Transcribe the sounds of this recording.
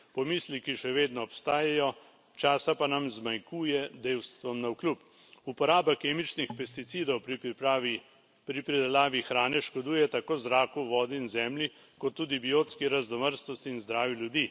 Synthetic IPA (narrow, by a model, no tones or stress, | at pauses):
pɔmiːslikiʃɛʋeːd̪nɔɔpst̪aːjajɔ | t͡ʃaːsapanamzmajkuːjɛd̪eːwst̪ʋɔmnawklup | upɔɾaːbakeːmit͡ʃnixpɛst̪it̪siːd̪ɔwp | pɾipɾid̪ɛlaːʋixɾaːnɛʃkɔd̪uːjɛt̪akoːzɾaːkuʋɔːd̪iːnzɛːmli | kɔt̪ːuːd̪ibijoːt̪skiɾaznɔməɾst̪ɔst̪iːnzd̪ɾaːʋiljud̪iː